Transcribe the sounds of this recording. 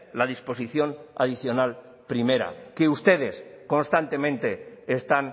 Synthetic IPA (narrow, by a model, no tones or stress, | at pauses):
laðispo̞siθjo̞na̰ðiθjo̞nal | pɾime̞ɾa̰keust̪e̞ðe̞sko̞nst̪ant̪e̞mẽ̞nt̪e̞ːst̪an